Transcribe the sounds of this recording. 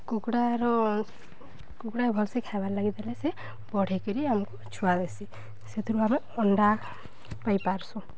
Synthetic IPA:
kukɽaɾɔ | kukɽaebʱɔlsekʰabaɾlaɡid̪alese | bɔɽ̤ekɔɾiamɔkut͡ʃʰuad̪esi | set̪ʰɔɾuame | ɔɳɖa | pajpaɾsu

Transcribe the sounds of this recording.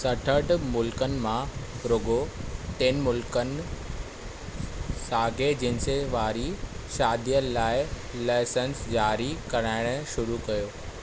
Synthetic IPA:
sɐʈʰəʈmʊlkənɪ̆mã | ɾoːɡoʈeːnmʊlkənɪ̆ | saːɡed͡ʑɪnɪ̆seʋaːɾi | ʃaːd̪ʱijəlaːɪ | laːsənsd͡ʑaːɾikɐɾaːɪɽ̃ʊʃʊɾukɐjoː

